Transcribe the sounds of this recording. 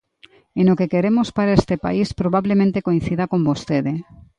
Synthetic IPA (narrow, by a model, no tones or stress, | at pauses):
enokekeɾemospaɾaest̪epa̰ispɾoβaβlemẽnt̪ekoĩn̟θiðakombost̪eðe